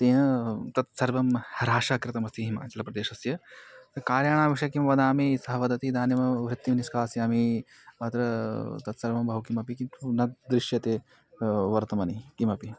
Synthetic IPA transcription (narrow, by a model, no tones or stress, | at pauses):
t̪eːnɐt̪ɐt̪sɐɾbɐmɐɾaːʂaːkɾɪt̪ɐmɐst̪iɦima̰ːt͡ʃɐlɐpɾɐd̪eːʃɐsjɐt̪ɐkaːɾjaːɽ̃aːʋiʂjɐkimɐʋɐd̪aːmisɐɦɐʋɐd̪ɐt̪id̪aːnjɐmɐʋɾɪt̪ːimniskaːsjami | ɐt̪ɾɐt̪ɐt̪sɐɾʋɐmbʱɐʋwkimɐpikint̪unɐd̪ɾɪʃjɐt̪eː | ʋɐɾt̪ɐmɐnikimɐpi